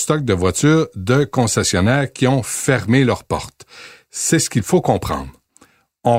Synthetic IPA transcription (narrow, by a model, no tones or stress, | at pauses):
st̪ɔk̚d̪əvwat͡s̪yːʁd̪əkɔ̃sɛsjɔnɛːʁkʲiɔ̃fɛʁmelœʁpɔ̰ʁt̪ | sɛsə̥kʲilfokɔ̃pχɑ̰̃ːd̪ʁ | ɔ̃